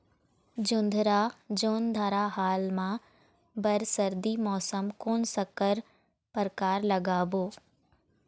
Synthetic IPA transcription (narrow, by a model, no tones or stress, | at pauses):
d͡ʑʊ̃nd̪ʱɾad͡ʑoːnd̪ʱaːɾaɦaːlmã | bɐɾsɐɾd̪imɔːsəmkoːnsɐkəɾ | pəɾkaːɾlɐɡaboː